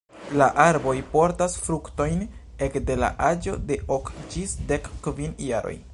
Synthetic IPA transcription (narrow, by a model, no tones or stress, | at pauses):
laʔaɾbo̞jpo̞ɾtasfɾukto̞jn | e̞kde̞la̰ʔad͡ʒo̞̰de̞ʔokd͡ʒisdekːvinjaɾo̞̰j